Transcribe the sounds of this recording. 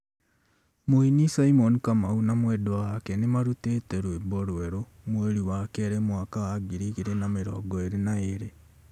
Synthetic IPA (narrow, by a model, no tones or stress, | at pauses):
moinisaimɔnikamaunamwɛdowakɛnemaɾutetɛɾwebɔɾwɛɾo | mweɾiwakɛɾemwakawaɡiɾiɣiɾenameɾɔ̰ːɡɔeɾenaeɾe